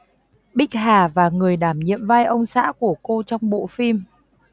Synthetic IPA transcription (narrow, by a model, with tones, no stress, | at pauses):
ɓï˦˥k̟̚haː˨˩vaː˨˩ŋɨ˨˩əjɗaː˧˩mɲḭ˧˨əmva˧jʔə˧wŋ͡msa̰ː˧˥ku˧˩əko˧t͡ɕɔ˧wŋ͡mɓo̰˧˨fi˧m